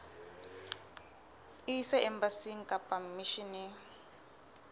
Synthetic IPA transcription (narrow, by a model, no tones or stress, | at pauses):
isɛɛmbasiŋ̩kapamiʃini